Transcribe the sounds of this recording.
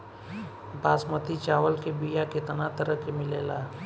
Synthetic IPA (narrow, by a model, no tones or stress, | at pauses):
baːsmət̪it͡ʃaːʋəlkebijakɪt̪ənat̪əɾəkemɪleːlaː